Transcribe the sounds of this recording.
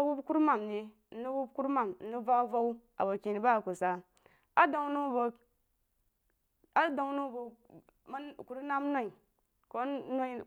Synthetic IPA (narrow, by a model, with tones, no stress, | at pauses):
wu˦bku˦ɾma˨mdi˨ | n̩˦di˦wu˦bku˦ɾma˨mn̩˨˦i˦va˦va˦u˦ | a̰˨bo˨ki˨n˨ba˦˨ku˨sa˨ | a˦do˨ŋnu˦bo˨ | a˦do˨ŋnu˦˨bu˨ | ma˦ku˨ɾna˦m˦no˦i˨ | ko˦no˦